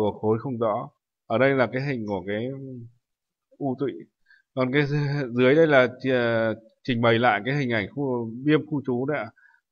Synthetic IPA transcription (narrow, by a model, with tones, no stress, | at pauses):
xo˨˦jxə˧wŋ͡mzɔ̰˧˥ | ʔəː˧˩ɗə˧jlaː˨˩kaː˨˦jɦï˨˩ŋ̟ku˧˩əkaː˨˦j | ʔu˧t̪wḭ˧˨ | kɔ˨˩nkaː˨˦zɨ˨˦əjɗə˧jlaː˨˩t͡ɕ | t͡ɕï˨˩ŋ̟ɓə˨˩jla̰ː˧˨jkaː˨˦jɦï˨˩ŋ̟ʔa˧˩jŋ̟xu˧ɓi˧əmxu˧t͡ɕu˨˦na̰ː˧˥